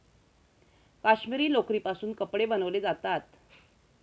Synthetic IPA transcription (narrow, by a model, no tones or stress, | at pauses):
kaɕmiɾiːlokɾiːpasuːnkəpɽebənəʋled͡zat̪at̪